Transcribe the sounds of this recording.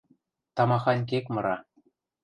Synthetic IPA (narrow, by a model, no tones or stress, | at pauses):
t̪ɑmɑxɑnʲk̬ekmɤ̆ɾɑ